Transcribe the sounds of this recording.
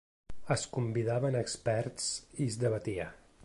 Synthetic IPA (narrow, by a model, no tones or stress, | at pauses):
əskumbiðaβənəkspɛɾtt͡sizd̪əβ̞ət̪iə